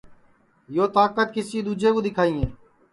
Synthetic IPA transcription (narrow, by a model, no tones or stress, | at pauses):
joːt̪aːkət̪̚kɪsiːd̪uːd͡ʒeːkõːd̪ɪkʰaːiːɦeː